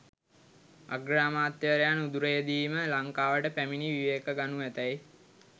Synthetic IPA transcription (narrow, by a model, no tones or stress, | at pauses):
a̰ɡɾaːmaːt̪ːjeʋəɾejanud̪uɾəjəd̪iːməlaŋkaːʋəʈəpæminiʋiʋeːkəɡanuʋæt̪æj